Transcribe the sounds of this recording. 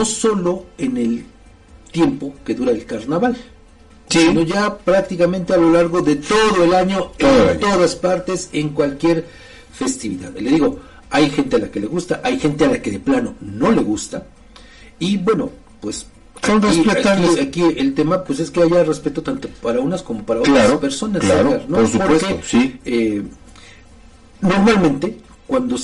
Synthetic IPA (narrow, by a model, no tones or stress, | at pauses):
no̞so̞lo̞e̞ne̞l | t̪je̞mpo̞ke̞ðuɾaelkaɾnaβal | sino̞ʝapɾak̚t̪ikamẽ̞nt̪e̞alo̞laɾɣo̞ðe̞t̪o̞ðo̞elaɲo̞ent̪o̞ðaspaɾt̪e̞se̞ŋkwalkje̞ɾ | fe̞st̪iβiða̰ðle̞ðiɣo̞ | ajxe̞nt̪e̞alake̞le̞ɣust̪aʔajxe̞nt̪e̞alake̞ðe̞plano̞̰no̞le̞ɣust̪a | ibwe̞no̞̰ | pwes | sonresieaakielt̪e̞mapwes̬e̞ske̞aʝare̞spe̞t̪o̞t̪ant̪opaɾaunasko̞mo̞paɾaot̪ɾaope̞ɾso̞naslaɾaɾnoospoɾekeosie | no̞ɾmalmẽnt̪e̞ | kwand̪o̞